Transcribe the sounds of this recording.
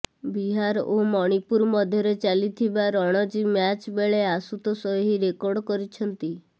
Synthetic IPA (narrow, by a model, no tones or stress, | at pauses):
biɦaɾomɔɽ̃ipuɾmɔd̪ʱjɔɾet͡ʃalit̪ʰibaɾɔɽ̃ɔd͡ʒimjat͡ʃbeɭeasut̪ɔsɔɦiɾekɔɾɖkɔɾit͡ʃʰɔnt̪i